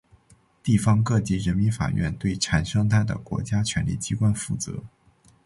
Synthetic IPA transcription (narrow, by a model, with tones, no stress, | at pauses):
t̪i˥˩fɑ˥ŋkɤ˥˧t͡ɕi˧˥ɻə˧˥nmi˧˥nfa̰˨˩ɥɛ̰˥˧nt̪we˥˩ɪʈ͡ʂʰa˨˩nʂɑ˥ŋt̪ʰa˥˩ɪd̪ə̰˩kwɔ̰˧˥t͡ɕja˥t͡ɕʰɥɛ̰˧˥nlḭ˥˩t͡ɕi˧˥kwa˥nfu˥˩t͡sɤ̰˧˥